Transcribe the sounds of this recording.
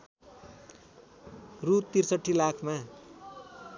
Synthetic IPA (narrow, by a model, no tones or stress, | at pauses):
rut̪ːirsʌʈʰːilakʰma